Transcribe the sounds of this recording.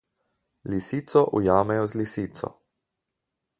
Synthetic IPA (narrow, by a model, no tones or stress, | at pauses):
lisiːt̪sɔʔujaːmɛjɔzlisiːt̪sɔ̰